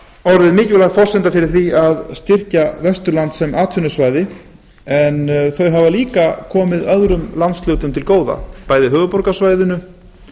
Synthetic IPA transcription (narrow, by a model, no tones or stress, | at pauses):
ɔɾðɪðmɪːcʏlaɣfɔr̥sɪnt̪afɪɾɪɾ̥θiaðst̪ɪr̥cavɛst̪ʏɾlant̪sɛmaːt̪ʰʏnʏsvaːjðɪ | ɛnθœɥɦavaliːkakʰɔːmɪðœðɾʏmlant̪st̪lœːwt̪ʏmt̪ʰɪlkoːwða̰paːjðɪɦœːvʏpɔɾkasvaːjðʏnʏ